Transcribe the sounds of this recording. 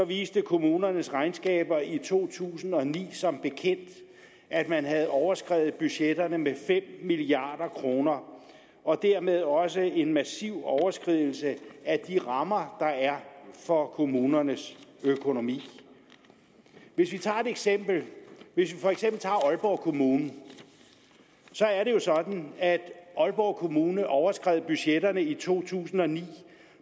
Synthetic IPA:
sɒ̽ʋiːsd̥əkʰo̝muːnɐnəsʁɑ̈ɪnsɡ̥ɛ̰ːb̥ɐit͡sʰo̝̰ːt͡sʰṵːsn̩ɒ̽nḭːsɒ̽mb̥e̝kʰen̰d̥ | ʔæd̥mænɦæð̞̩ˠɒʊɐsɡ̥ʁɛ̰ʊ̰ð̞̩ˠb̥yɕed̥ɐnəmefem̰miliɑ̈ːd̥ɐkʰʁo̝ːnɐ | ɒ̽d̥æɐ̰með̞ˠɒ̽səe̝nmæsiʊ̰ɒʊɐsɡ̥ʁiðˠl̩səæd̥iʁɑ̈mɐd̥ɑ̈æɐfɒ̽kʰo̝muːnɐnəsøkʰo̝no̝mḭː | ʋe̝sʋit͡sʰɑ̰̈ːe̝d̥eɡ̥sem̰b̥l̩ʋe̝s̬ʋifɒ̽eɡ̥sem̰b̥l̩t͡sʰɑ̰̈ɒ̽lb̥ɒʊ̰kʰo̝muːnn̩ | sɒ̽æɐɾe̝jo̝sɒ̽d̥n̩æd̥ɒ̽lb̥ɒʊ̰kʰo̝muːnəʔɒʊɐsɡ̥ʁɛ̰ð̰ˠb̥yɕeɾɐnəit͡sʰo̝̰ːt͡sʰṵːsn̩ɒ̽nḭː

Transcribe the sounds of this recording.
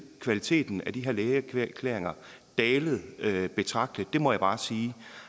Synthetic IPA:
kʰʋælit͡sʰe̝̰ːd̥n̩æd̥iɦe̝ɐ̰leːkʰkʰlḛɐeŋɐ | d̥ɛːlð̩ˠb̥e̝t͡sʰʁɑ̈ɡ̥̚d̥əd̥e̝mɒ̽jäb̥ɑ̈ːsiː

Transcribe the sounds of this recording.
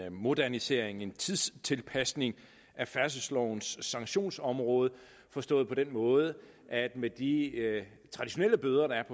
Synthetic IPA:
mo̝d̥æɐnise̝ɐe̝ŋe̝nt͡sʰiðˠst͡sʰe̝lpʰæsne̝ŋ | ʔæfæɐs̬əslɒʊnsːɑ̈ŋɕo̝̰ːnsɒ̽mʁɔ̽ːð̞̩ˠ | fɒ̽sd̥ɔ̰̽ːð̩ˠpʰɒ̽d̥enmɔ̽ːð̞̩ˠə | ʔæd̥med̥i | t͡sʰʁɑ̈d̥iɕo̝neləb̥øːðˠɐɾ̥ɑ̈æɐpʰɒ̽

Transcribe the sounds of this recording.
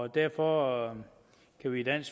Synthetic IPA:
d̥æɐ̰fɒ | kʰæʋid̥æn̰s

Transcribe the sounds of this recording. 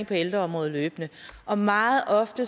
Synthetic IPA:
ŋpʰɒ̽eld̥ʁɐɒ̽mʁɔ̽ːð̞̩ˠløːb̥nəʔɒ̽mɑ̈ːð̩ˠɒ̽fd̥ə

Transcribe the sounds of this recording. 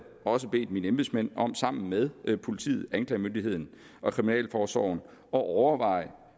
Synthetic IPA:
ɒ̽s̬əb̥e̝̰ːd̥minəemb̥ð̰ˠsmen̰ɒ̽m̰sɑ̈m̰n̩með̞ˠpʰo̝lit͡sʰḭːð̞̩ˠænkʰlɛ̰ɪmønd̥iɦe̝ð̞̰ˠn̩ | ʔɒ̽kʰʁiminɛ̰ːlfɒːsɒ̰ʊn̩ | ɒ̽ʔɒʊɐʋɑ̈ɪ̰

